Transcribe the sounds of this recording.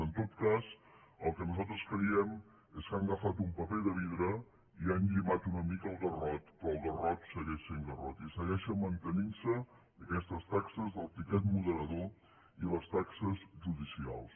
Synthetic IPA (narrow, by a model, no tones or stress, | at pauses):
ənt̪ot̪kazəlˠkənuzalˠt̪ɾəskɾiɛm | eskaŋɡəfat̪umpəpɛðəβ̞iðɾə | ianʎimat̪unəmikəlˠɣərɔt̪pɾɔːlˠɣərɔt̪səɣɛʃeŋɡərɔt̪isəɣɛʃəmənt̪əninsə | əkɛst̪əst̪aksəzðəlˠp̪ikɛt̪muðəɾəðo | iləst̪aksəzʒuðisia̰lˠs